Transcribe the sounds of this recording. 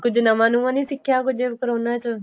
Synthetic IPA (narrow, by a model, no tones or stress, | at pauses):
kʊd͡ʒnəʋãːnũːãːnĩːsɪkʰːjaːkʊd͡ʒeːʋɪkəɾõːnaːt͡ʃə